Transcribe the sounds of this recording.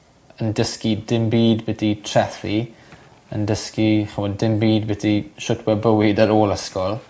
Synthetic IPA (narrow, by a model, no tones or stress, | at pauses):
əndəskidɪmbiːdbɪtʰitʰrɛθi | ə̰ndəskiχəwɔdɪmbiːdbɪtiʃʊtʰwɛbəwɪdəɾoːlˠəskɔlˠ